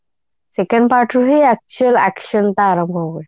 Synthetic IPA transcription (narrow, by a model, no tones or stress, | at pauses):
sekə̃ɳɖpaɾʈuɦeæk̚t͡ɕuəlækɕənt̪aːɾə̃mbʱoo